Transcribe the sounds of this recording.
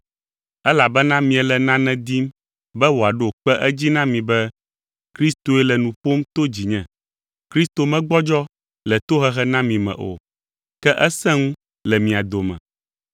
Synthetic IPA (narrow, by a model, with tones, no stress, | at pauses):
ɛ˦la˨bɛ˦nã˦mĩ˨ɛ˨lɛ˨nã˦nɛ̃˦d̪i˦m | bɛ˦wo˨a˨ɖo˦o˨k͡pɛ˦ʔɛ˦d͡ʑi˦nã˦mĩ˨bɛ˦ | kɾi˦st̪o˨ɛ˦lɛ˨nũ˨ɸo˦m˦t̪o˦d͡ʑi˨ɲɛ̃˦ | kɾi˦st̪o˨mɛ̃˦ɡ͡bɔ˦d͡ʒɔ˦ | lɛ˨t̪o˦ɦɛ˦ɦɛ˦nã˦mĩ˨mɛ̰̃˨ʔo̰˨ | kɛ˦ʔɛ˦sɛ̃˦ŋũ˦ | lɛ˨mĩ˨a˨d̪o˨mɛ̰̃˨